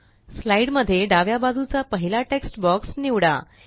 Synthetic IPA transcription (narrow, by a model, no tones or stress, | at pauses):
slaiɽməd̪ʱːjeɖaʋjabad͡zut͡sapəɦilaʈeksʈbɔksniʋɽa̰